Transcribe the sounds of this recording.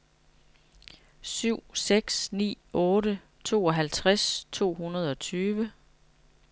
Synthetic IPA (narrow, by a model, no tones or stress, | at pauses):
syʊ̰seɡ̥snḭː | ɔ̽ːɾə | t͡sʰo̝̰ːɒ̽ɦælt͡sʰʁast͡sʰo̝̰ːhunɐð̞̩ˠɒ̽t͡sʰyːʋə